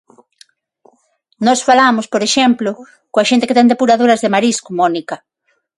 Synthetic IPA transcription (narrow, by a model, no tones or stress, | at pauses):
nɔsfalamʊspoɾeʃɛmplo | koaʃent̪eket̪ɛnd̪epuɾaðoɾɐzðemaɾiskumɔnikɐ